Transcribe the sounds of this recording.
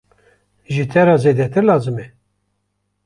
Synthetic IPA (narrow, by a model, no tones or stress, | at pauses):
ʒit̪ʰɛɾɑːzeːd̪ɛt̪ɨɾlɑːzɨmɛ